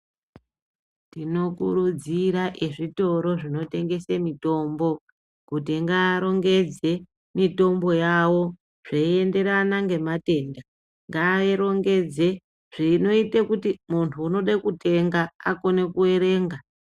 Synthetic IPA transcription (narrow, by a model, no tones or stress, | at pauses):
tino̞kuɾud͡ziɾaʔeʐito̞ɾo̞ʐino̞te̞ŋɡe̞semito̞ːmbo̞ | kutiŋɡaɾo̞ŋɡe̞d͡ze̞ | mito̞mbo̞jawo̞ | ʐ̥eie̞nde̞ɾanaŋɡe̞mate̞ːnda | ŋɡaeɾo̞ŋɡe̞d͡ze̞ | ʐ̥ino̞itekutimuntʰuːno̞ɗakute̞ŋɡaːko̞ne̞kue̞ɾe̞ːŋɡa